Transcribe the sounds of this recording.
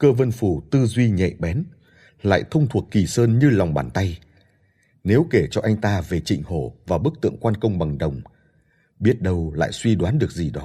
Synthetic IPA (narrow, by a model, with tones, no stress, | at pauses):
kəː˧və˧nfu˧˩t̪ɨ˧zwi˧ɲɛ̰˧˨ɓɛ˨˦n | la̰ː˧˨jt̪ʰə˧wŋ͡mt̪ʰu˨˩ət̚ki˧˩səː˧nɲɨ˧la˨˩wŋ͡mɓaː˧˩nt̪a˧j | ne˨˦wke˧˩t͡ɕɔ˧ʔa˧jŋ̟t̪aː˧ve˨˩t͡ɕḭ˧˨ŋ̟ho˧˩vaː˨˩ɓɨ˦˥k̚t̪ɨ̰˧˨əŋkwaː˧nkə˧wŋ͡mɓa˨˩ŋɗə˨˩wŋ͡m | ɓi˦˥ət̚ɗə˧wla̰ː˧˨jswi˧ɗwaː˨˦nɗɨ˨˩ək̚zi˨˩ɗɔ˨˦